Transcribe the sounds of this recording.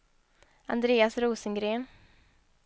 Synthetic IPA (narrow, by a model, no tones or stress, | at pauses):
a̰nd̪ɾeːasɾuːsənɡɾeːn